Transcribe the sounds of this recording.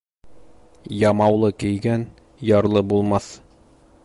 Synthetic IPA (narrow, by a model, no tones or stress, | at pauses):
jɑmɑwlˠɤkɘ̆jɡæn | jɑɾlˠɤbulˠmɑθ